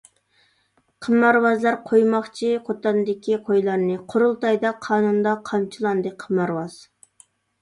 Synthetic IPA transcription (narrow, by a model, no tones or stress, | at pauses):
qʰəmːɑɾwɑzlˠɑɾqʰojmɑχt͡ʃʰiqʰot̪ɑnd̪ɪkʲʰiqʰojlˠɑɾnɨqʰoɾulˠt̪ɑjd̪ɑqʰɑːnund̪ɑqʰɑmt͡ʃʰilˠɑnd̪ɨqʰəmɑɾwɑz̥